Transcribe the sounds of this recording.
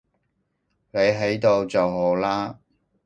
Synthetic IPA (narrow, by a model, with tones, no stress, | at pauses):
ne˨˧jɦe˨˥jt̪o˧wt͡sɐ˨wɦo˨˧˥wlaː˥